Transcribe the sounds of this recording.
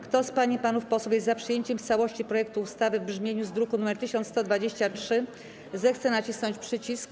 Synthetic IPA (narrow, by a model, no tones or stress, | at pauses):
kt̪ɔspaɲipanufpɔswufʲjɛst̪apʂɘjeɲt͡ɕɛmft̪sawɔɕt͡ɕipɾɔjɛk̚t̪uːst̪avɘvbʐmʲjeɲuzd̪ɾukunumɛɾt̪ɘɕɔnt̪st̪ɔd̪vad͡ʑeɕt͡ɕat͡ʂʂɘ | zɛxt̪sɛnat͡ɕisnɔɲt͡ɕpʂɘt͡ɕisk